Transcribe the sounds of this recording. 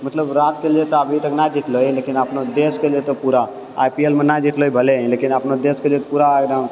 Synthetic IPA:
mət̪ləbɾaːt̪keljet̪oəbʱit̪əknajd͡ʒiʈ̪ʰloileːkinəpnod̪eskelet̪ɔpuːɾa | a̰jpielmẽnajd͡ʒiʈ̪ʰloibʱəlẽlekinəpnod̪eskelet̪ɔpuːɾaɡd̪a

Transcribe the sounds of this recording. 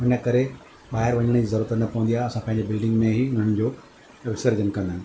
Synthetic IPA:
ʊnəkɐɾe | ɓaːɦɪɾʋɐɲəɽ̃d͡ʑizɐɾuːɾət̪ənɐpɐʋə̃n̆d̪iaɦɐsãpɐ̃ɦɪɲd͡ʑebɪlɖɪ̃ŋɡmẽɦiʊn̤əɽ̃d͡ʑoː | ɐʋɪsəɾd͡ʑənkɐ̃nd̪aɦɪnɪ

